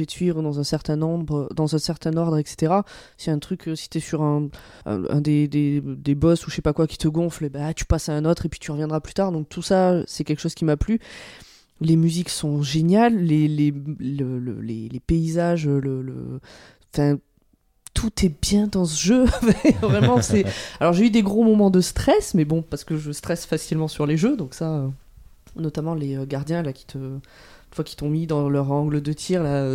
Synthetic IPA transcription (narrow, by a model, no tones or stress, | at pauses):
ɛd̪sɥivʁəd̪ɑ̃zɛ̃sɛʁt̪ɛ̃nɔ̃bʁəd̪ɑ̃zɛ̃sɛʁt̪ɛ̃nɔʁd̪ʁɛkse̥t̪eʁa | sɛɛ̃t̪χykøsi̥t̪yɛsyʁɛ̃ | ɛ̰̃ɛ̰̃d̪ed̪ed̪ebɔsuʃepakwakʲi̥t̪əɡɔ̃flebɛat̪y̥pasaɛ̃not̪χepɥit̪yʁəvjɛ̃nd̪ʁaplyt̪aʁd̪ɔ̃k̚t̪ʰusasɛkʲɛlkə̥ʃozkʲimaply | lemyziksɔ̃ʒenjalːelelələ̰lḛlepeizaʒølələ̰ | ɑ̃fɛ̃ | t̪ʰut̪ʰɛbjɛ̃d̪ɑ̃səʒøfɛvʁɛmɑ̃sɛalɔʁʒeyd̪eɡʁomɔmɑ̃d̪əst̪χɛsmɛbɔ̃paʁsə̥kəʒəst̪χɛsfasilmɑ̃syʁleʒød̪ɔ̃ksaø | nɔt̪amɑ̃leøɡaʁd̪jɛ̃lakʲi̥t̪ʰə | ynfwakʲit̪ɔ̃mid̪ɑ̃lœʁɑ̃ɡləd̪ət̪ʰiʁlaø